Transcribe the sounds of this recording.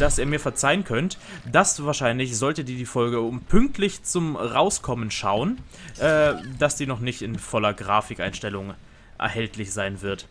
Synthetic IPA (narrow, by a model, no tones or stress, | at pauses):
d̥asʔiːɐmiːɐfɛɐt͡saɪənkʰœntd̥asvaːɐʃaɪnlɪçz̥ɔltədiːdiːfɔlɡəʊmpʰʏŋk̚tʰlɪçt͡sʊmʁaʊskʰɔmənʃa̰ʊən | ʔɛːd̥asd̥iːnɔχnɪçtɪnfɔlɐɡʁaːfɪkʔa̰ɪnʃtɛlʊŋ | ʔɛ̰ɐhɛltʰlɪçz̥aɪnvɪɐt